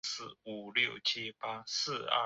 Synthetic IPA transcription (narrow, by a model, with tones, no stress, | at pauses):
sɹ̩˥˩u˨˩ljo˥˨˩ʊt͡ɕʰi˦˥pa˥sɹ̩˥˧ɐ̰˥˩